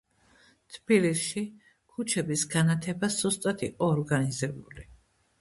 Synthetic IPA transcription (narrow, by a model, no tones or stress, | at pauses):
t̪ʰb̥ilisʃi | kʰut͡ʃʰɛbisɡanat̪ʰɛbaszɔst̪ʼat̪ʰḭqʼɔːɾɡanizɛbuli